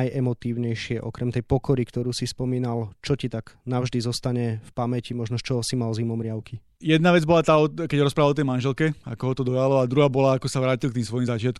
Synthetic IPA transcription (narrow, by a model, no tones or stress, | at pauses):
jʔɛmɔt̪iːʊɲɛjʃɪɛʔɔkɾɛmt̪ɛjpɔkɔɾikt̪ɔɾuːsispɔmiːnalt͡ʃɔcit̪aɡ̥naʊʒd̪izɔst̪aɲɛfpamɛcimɔʒnɔt͡ʃɔsimalzimɔmɾɪaʊki | jɛd̪naʋɛd͡zbɔlat̪aːɔkɛɟɾɔspɾaʋalɔt̪ɛjmanʒɛlkɛa̰kɔɦɔt̪ɔd̪ɔjalɔad̪ɾuɦaːbɔlaːkɔsaʋɾaːcilkt̪iːmsʋɔjimzat͡ʃɪat̪̚km